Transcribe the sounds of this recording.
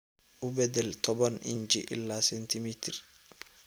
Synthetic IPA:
ʔʊbɛd̪ɛlt̪ʼɔbɐnɪ̰nd͡ʒḭʔɪ̰lːaːsɛnt̪ɪmiːt̪ɪɾ

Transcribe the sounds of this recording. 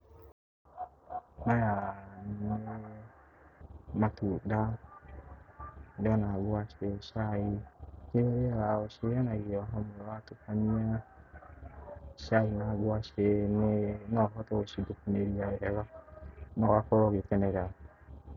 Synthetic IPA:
najanne | matuda | deanaɡoaʃeʃaikeoɾeaoʃeanaɡaɦɔmoatokania | ʃainaɡoaʃenenɔɦɔtɔoʃidokuneɾiaeɛβanɔwakɔɾɔɡetɛnɛɾa

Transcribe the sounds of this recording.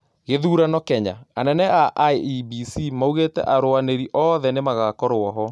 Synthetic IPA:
ɣeðuːɾanɔkɛɲa̰anɛnɛaʔeibisimauɣetɛ̰ʔaɾoaneɾiʔɔðɛnemaɣakɔɾoɔɦɔ

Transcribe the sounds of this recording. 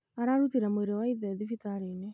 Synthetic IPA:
aɾaɾutiɾamoeɾewaiðɛðifitaɾene

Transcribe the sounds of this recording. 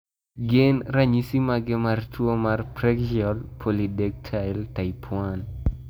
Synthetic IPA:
ɡɪnɾaɲisimaɡɪmartwomarpɾɛkd͡ʒiɔlpʰolidɛk̚tʰajltaipʰwan

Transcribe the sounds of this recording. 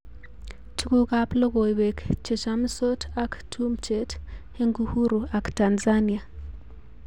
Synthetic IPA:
t͡ʃikukaploɣoiβekt͡ʃeʃamusotʰaktʰumt͡ʃet | eŋɡuhuɾuaktanzania

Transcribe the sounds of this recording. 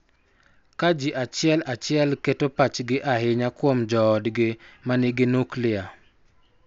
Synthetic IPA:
kad͡ʒiʔat͡ʃɪɛlat͡ʃɪɛlketopat͡ʃɡɪʔaɦɪɲakwomd͡ʒɔːdɡɪmanɪɡɪnuklɪa

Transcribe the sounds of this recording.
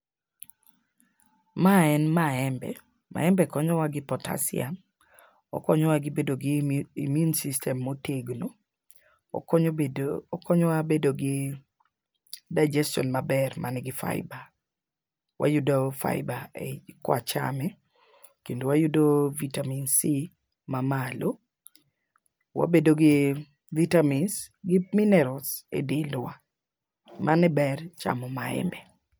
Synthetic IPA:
maɛnmaɛmbɛ̰ | mʔa̰ɛmbɛkɔɲɔwaɡɪpɔta̰siam | ɔ̰kɔɲɔwaɡɪbedoɡiḭmjunsistʰɛmːoteɡno | kɔɲɔwabedoɡɪ | daɪd͡ʒɛstɔ̰nmabɛrmʔanɪɡɪfa̰ɪba | wʔa̰judofa̰ɪbaḛkwa̰t͡ʃa̰mɛ | kendowajudovitaminsi | mamalo | wa̰bedoɡɪ | vitamins | ɡɪminɛɾɔsḛdɪldwa | manɛbɛrt͡ʃa̰mɔmaɛ̰mbɛ

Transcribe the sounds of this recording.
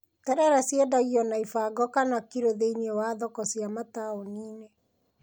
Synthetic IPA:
tɛɾɛɾasjedaɣiɔnaifaɡɔkanakiɾoðeiniewaðɔkɔsjamataoniːne

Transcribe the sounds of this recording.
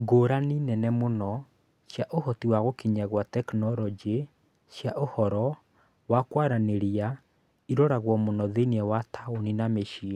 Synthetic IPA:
ɡoːɾaninɛnɛmonɔ | ʃjaʔohɔtiwaɣokiɲaɣwatɛknɔɾɔd͡ʒe | ʃjaʔohɔɾɔ | wakwaɾaneɾia | iɾɔɾaɣwɔmonɔðeniɛwatʰaoninameʃi

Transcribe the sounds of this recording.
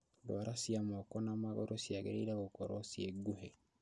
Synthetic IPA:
dwaɾasiamɔkɔnamaɣo̰ɾosiaɣḛɾḛɾaɣokɔɾɔsieɡuɦe

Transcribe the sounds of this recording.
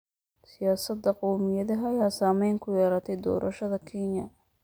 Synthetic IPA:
sɪjaːsɐd̪ːɐqɔwmɪjɐðɐɦjaːsaːmɛjŋkʰʊjɛːɾɐt̪ʰɛjd̪ɔ̰ːɾʔɐʃɐðɐkʰinjɐ

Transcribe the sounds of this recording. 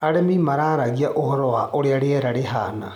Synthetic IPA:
aɽemimaɾaːɾaɣiaʔohɔɾɔwaʔoɽeaɽeɛɾaɽeɦa̰ːna̰

